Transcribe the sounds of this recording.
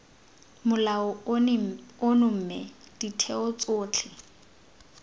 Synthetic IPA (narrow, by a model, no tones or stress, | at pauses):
mʊlaʊ | ʊnʊm̩mɛ | d̥itʰɛʊt͡sʼʊːt͡ɬʰɪ